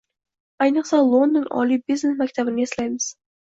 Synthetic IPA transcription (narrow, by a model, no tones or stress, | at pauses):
ɑjnəqsɑlˠond̪onʔɑ̰lʲˠibiznesmækʲt̪æbɪneslʲæjmɨz̥